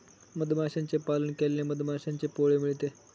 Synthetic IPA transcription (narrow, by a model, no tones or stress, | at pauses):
məd̪ʱmaɕãɲt͡sepalənkelːẽməd̪ʱmaɕãɲt͡sepoɭemiɭt̪e